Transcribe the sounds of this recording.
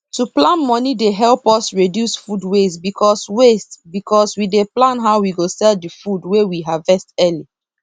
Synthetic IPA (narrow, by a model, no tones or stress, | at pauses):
tuplãnmɔnideɦɛlpɔsɹedjusfudwesbikʰɔswestbikʰɔswideplãnɦawwiɡosɛldifudwewiɦavɛstɛli